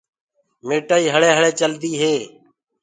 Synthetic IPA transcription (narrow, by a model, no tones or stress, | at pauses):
meːʈaːiːɦəɭeːɦəɭeːt͡ʃəld̪iːɦeː